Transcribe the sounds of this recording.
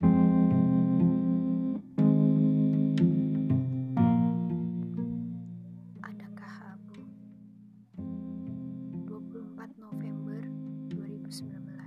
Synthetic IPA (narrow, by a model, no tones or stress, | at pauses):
ʔadaŋkahabu | duapulɔmpat̪̚nofɛmbərduaɾibusəmbilambəlas